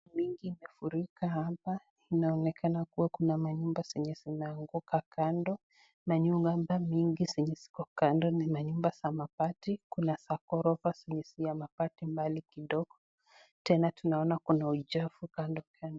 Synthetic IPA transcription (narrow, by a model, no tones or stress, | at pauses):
miŋɡiːmɛfuɾikahapa | inaɔnɛkanakuwakunamaɲumbasɛɲɛsinaːŋɡukakʰandɔ | maɲuambamiŋɡisɛɲɛsi̥kɔkandɔnimaɲumbasamapatikunasakɔɾɔvasɛɲɛsijamapatimbalikiɗɔɡ̥ɔ | tɛnatunaɔnakunaud͡ʒafukandɔkandɔ